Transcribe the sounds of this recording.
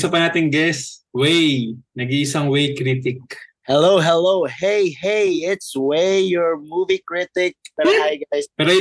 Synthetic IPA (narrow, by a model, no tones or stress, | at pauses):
sɐpɐnaːt̪ɪŋɡɛswejnɐɡiʔɪsɐŋwejkɾit̪ɪk̚hɛlowɦɛlowhejhejɪt̪swejɔɹmuvikɹɪt̪ɪk̚pɛoʔajɡajspɛːɾoj